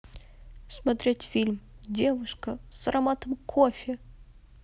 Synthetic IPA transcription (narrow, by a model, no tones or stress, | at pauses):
smɐt̪ɾʲetʲfʲilʲmdʲe̞vʊʂkəsɐɾɐmat̪əmkʰofʲɪ